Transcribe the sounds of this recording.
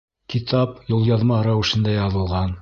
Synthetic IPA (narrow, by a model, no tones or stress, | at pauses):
kit̪ɑpjolˠjɑðmɑɾæwɘ̆ʃɘ̆nd̪æjɑðɤ̆lˠʁɑn